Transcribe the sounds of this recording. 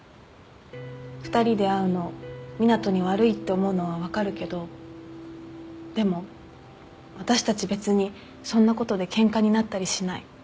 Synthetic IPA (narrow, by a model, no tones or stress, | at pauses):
ɸɯ̥t̪aɾʲid̪e̞aɯ̟no̞mʲinat̪o̞ɲ̟iβaɾɯ̟it̪ːe̞omo̞ɯ̟no̞β̞aβ̞akaɾɯ̟ke̞d̪o̞ | d̪̥e̞mo̞ | βat̪aɕi̥t̪at͡ɕibe̞t͡sɨɲ̟i | sõ̞nːako̞t̪o̞d̪e̞kẽ̞ŋkaɲ̟inat̪ːaɾʲiɕinai